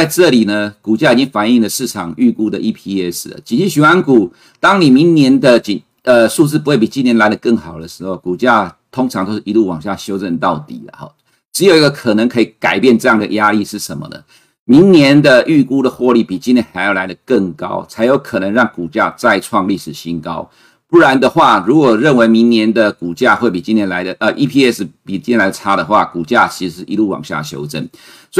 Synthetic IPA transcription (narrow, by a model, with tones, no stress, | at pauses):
t͡sa˥˧ɪʈ͡ʂɤ˥˨li˨˩nə˩ku˨˩t͡ɕja˥˩˨i˨˩t͡ɕi˥ŋfa˨˩ni˥˩ŋlə˩ʂɻ̩˥˩ʈ͡ʂʰɑ˨˩ŋy˥˩ku˥d̪ə˨ʔi˧˥pʰi˥ɛ˥s̩˩lə̰˩t͡ɕi˨nt͡ɕi˥˩ɕy˨˩wa˦nku˨˩ | t̪ɑ˥ŋni˨˩mi˧˥ŋnjɛ˧˥nd̪ə˨t͡ɕi˨n | ə˧su˥˧t͡sɹ̩˥˩p̬u˧xwe˥˩p̬i˨˩t͡ɕi˥njɛ˧˥nla˧˥ɪdə˨kə˥˩ŋxɑ˨˩ʊd̪ə˦ʂɻ̩˧˥xo˥˩ʊku˨˩t͡ɕja˥˧t̪ʰo˥ŋʈ͡ʂʰɑ˧˥ŋt̪o˥ʊʂ̩˥˨i˧˥lu˥˩wɑ˨˩ŋɕja˥˩ɕjo˥ʊʈ͡ʂə˥˧nt̪ɑ˥˩ʊt̪ḭ˨˩lə̰˩hɔ̰˥˩ | ʈ͡ʂɻ̩˧˥jo˨˩ʊi˥ɡə˧kʰə˨˩nə˧˦ŋkʰɤ˧˥i˨˩ka˨˩ɪpjɛ˥˧nʈ͡ʂɤ˥˧jɑ˥˩ŋd̪ə̰˩ja˥li˥˧ʂɻ̩˥˩ʂə˧˦nmə̰˨d̪ə̰˩ | mi˧˥ŋnjɛ˧˦nd̪ə˨ʔy˥˩ku˥d̪ə˨xwɔ˥˧li˥˩pi˨˩t͡ɕi˥nt̪ʰɛ˧˥nxa˧˥ɪjla˧˥ɪdə˨kə˥˩ŋkɑ̰˦˥ʊt͡sʰa˧˥ɪjo˧˥ʊkʰə˨˩nə˧˥ŋɻɑ˥˩ŋku˨˩t͡ɕja̰˥˧t͡sa˥˧ɪʈ͡ʂʰwɑ˥˧ŋli˥˩ʂɻ̩˨˩ɕi˥nkɑ˦ʊ | pu˥˩ɻa˧˦nd̪ə˨xwa˥˩ɻu˧˥kwɔ˨˩ɻə˥˩nwe˧˥ɪmi˧˥ŋnjɛ˧˦˥nd̪ə˨ku˨˩t͡ɕja˥˧xwe˥˩ɪpi˨˩t͡ɕi˦˥njɛ˧nla˧˥ɪd̪ə˨ʔə˧ʔi˥pʰi˥˧ɛ˥˩s̩˨˩pi˨˩t͡ɕi˥nʰʲɛ˧˥la˧ɪdə˨˩ʈ͡ʂʰa˥d̪ə˨xwa˥˩ku˨˩t͡ɕja˥˩t͡ɕʰi̥˧˥ʂ̩˧˥ʂɻ̩˥˩i˧lu˥˩wɑ̰˨˩ŋɕja̰˥˩ɕjo̰˥ʊʈ͡ʂə̰˥˩n | s